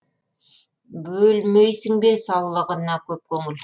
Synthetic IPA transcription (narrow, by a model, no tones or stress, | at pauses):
bɵlmejsɪŋbe̞sɑwlˠəʁənːɑkʲʰɵp̚kʲʰɵŋɪl